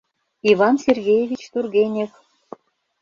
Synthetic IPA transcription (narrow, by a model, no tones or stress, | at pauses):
ivɑnsʲerɡʲejevʲit͡ɕt̪urɡʲenʲek